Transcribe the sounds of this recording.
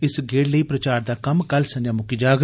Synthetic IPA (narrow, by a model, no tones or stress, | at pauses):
ɪsɡeːɽləiːpɾət͡ʃaːɾd̪aːkɐmkɐlsə̃njãːmʊkid͡ʒaːɡ